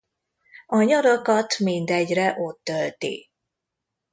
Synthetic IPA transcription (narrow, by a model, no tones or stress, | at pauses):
ɒɲɒɾokɒt̪mind̪ɛɟrɛʔo̞t̪ːølt̪ḭ